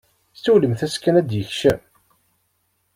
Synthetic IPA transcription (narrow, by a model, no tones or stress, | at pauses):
st͡sːuləmθæskːænæd̪jəçʃæm